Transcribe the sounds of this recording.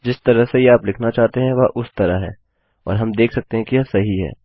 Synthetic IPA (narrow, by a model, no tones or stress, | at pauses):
d͡ʒɪst̪ɐɾəɦsejeaːplɪkʰnat͡ʃaːɦt̪eɦɛ̃ʋaʔʊst̪ɐɾəɦɦɛ̰ː | ɔ̰ːɾɦɐmd̪eːkʰsɐk̚t̪eɦɛ̃kijasɐɦiɦɛ̰ː